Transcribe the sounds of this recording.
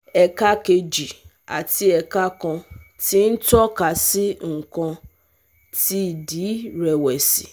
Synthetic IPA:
ɛ˨ka˦ke˧d͡ʒi˨ | a̰˨ti˦ɛ˨ka˦kɔ̃˧ | ti˦n̩˦tɔ˦ka˨si˦ŋ̩˨kɔ̃˧ | ti˦˨di˨˦ɾɛ˨wɛ˨si˨

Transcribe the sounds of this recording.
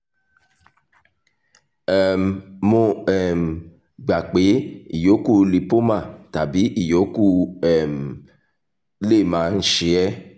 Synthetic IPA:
ɛ˨m˨mo˧ɛ˦˨m̩˨ | ɡ͡ba˨k͡pe˨˦ḭ˦˨jo˨˦ku˦˨li˨po˦mã˦˨ta˨bi˨˦ʔi˦˨jo˨˦ku˦˨ɛ˨m̩˨ | le˦˨mãː˨˦n̩˦ʃe˧˦ɛ˦

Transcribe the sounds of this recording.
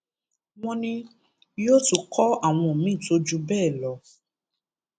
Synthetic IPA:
w̃ɔ̃˧nĩ˧ | jo˦tu˦˨kʰɔ˦a˦˨w̃ɔ̃˧o˨mĩ˦˨to˧d͡ʒu˧˦bɛː˦˨lɔ˨˦

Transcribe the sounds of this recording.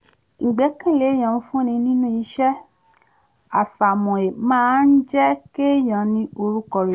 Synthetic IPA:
ŋ̩˨ɡ͡bɛ˨˦kĩ˦˨le˨˦j̃ã˨ũ˧fũ˦nĩ˧nĩ˦nũ˦i˧˦ʃɛ˦ | a˨sa˨mɔ̃˨e˨mãː˦˨˦n̩˦d͡ʒɛ˦ke˦jɔ̃˨nĩ˧o˧ɾu˦kɔ˦˨ɾe˨

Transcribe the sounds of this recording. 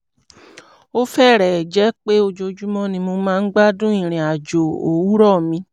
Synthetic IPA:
o˦fɛ˦˨ɾɛ˨d͡ʒɛ˦k͡pe˦o˧d͡ʒo˧d͡ʒu˦mɔ̃˦nĩ˧mo˧mãː˦˧n̩˦ɡ͡ba˦dũ˦ĩ˦˨ɾ̃ĩ˨a˨d͡ʒo˨o˨wu˦ɾɔ˦˨mĩ˧

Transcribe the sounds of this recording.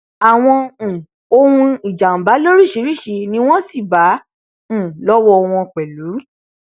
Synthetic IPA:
a˨w̃ɔ̃˧˨ | o˧hũ˧i˨d͡ʒa˨ũ˨ba˨˦lo˦ɾi˦˨ʃi˨˧˦ɾi˦˨ʃi˧nĩ˧˦w̃ɔ̃˦si˦˨bã˨˦˨ | lɔ˦wɔ˧w̃ɔ̃˧k͡pɛ˨lu˨˦

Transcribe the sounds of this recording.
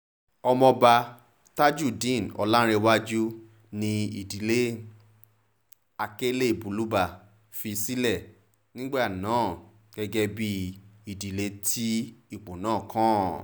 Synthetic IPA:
ɔ˧mɔ̃˧ba˧ | ta˦d͡ʒu˦˨dĩ˦˨nɔ̰˨˧la˦ɾ̃e˧wa˦d͡ʒu˦ | nĩ˧i˨di˨le˦ | a˧ke˦le˦˨bu˨˦lu˦ba˧˨ | fi˧si˦lɛ˦˨ | nĩ˦ɡ͡be˦a˦˨nãː˨˦˨ | ɡ̥ɛ˧ɡɛ˧bi˧i˨di˨le˧tʰi˦i˦˨k͡po˨nãː˦˨kã˦

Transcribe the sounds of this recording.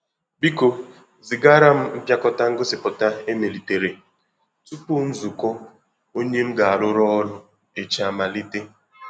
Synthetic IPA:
bi˦ko˨ | zi˨ɡa˦ɾa˦m̩˦m̩˦pja˦kɔ˦ta˦ŋ̩˦ɡʊ˦sɪ˨pʊ˨ta˦e˦me˨li˨te˨ɾe˨ | tu˦pu˦n̩˦zu˨kɔ˦ | o˦ɲe˦m̩˦ɡa˨a˨lʊ˦ɾɔ˦ɔ˦ɾʊ˦ | e˨t͡ʃa˦ma˨li˦te˦

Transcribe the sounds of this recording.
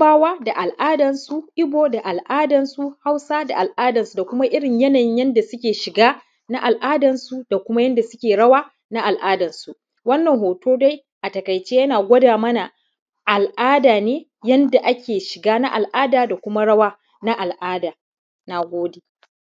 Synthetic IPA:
aː˦waː˦da˨ʔa˨lʔaː˦dɐ˨nsu˦ʔɪ˦boː˦da˨ʔa˨lʔaː˦dɐ˨nsu˦ha˦wsa˦da˨ʔa˨lʔaː˦dɐ˨nsu˨da˨kʷʊ˦ma˦ʔɪ˦ɽɪ˨ɲjɐ˦nɐ˨ɲjɐ˦nda˨sʊ˦kʲeː˨ʃɪ˨ɡaː˦ | na˦ʔa˨lʔaː˦dɐ˨nsu˦da˨kʷʊ˦ma˦jɐ˦nda˨sʊ˦kʲeː˨ɽɐ˦waː˦ | na˦ʔa˨lʔaː˦dɐ˨nsu˨ | wɐ˦nːɐ˨ŋhoː˨toː˦da˦j | ʔa˨tɐ˨ka˨jt͡ʃeː˦jɐ˦naː˨ɡʷɐ˦daː˨mɐ˦na˨ | ʔa˨lʔaː˦daː˨neː˦ | jɐ˦nda˨ʔa˦kʲeː˨ʃɪ˨ɡaː˦na˦ʔa˨lʔaː˦daː˨da˨kʷʊ˦ma˦ɽɐ˦waː˦ | na˦ʔa˨lʔaː˦daː˨ | na˨ɡʷoː˦deː˨

